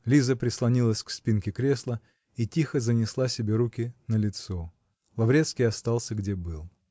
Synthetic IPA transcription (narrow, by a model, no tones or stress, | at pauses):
lʲizəpɾʲɪslˠɐnʲilˠəsʲkspʲinkʲɪkɾʲe̞slˠə | itʲixəzənʲɪslˠasʲɪbʲeɾukʲɪnəlʲɪt̪so | lˠɐvɾʲet̪skʲijɐst̪ɑlˠsʲəɡdʲebɨlˠ